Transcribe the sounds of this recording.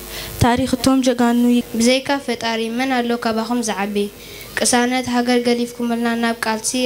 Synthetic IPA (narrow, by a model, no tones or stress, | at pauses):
t̪ʰaɾixɨt̪ʰo̞md͡ʒɐɡanubɨzɐjkʰafɐt̪ʼaɾimɐnalːokʰaβaxumzɨʕaβi | kʼɨsanɐt̪ɦaɡɐɾɡɐlifkʰumɨlnanaβkʼalt̪ʰi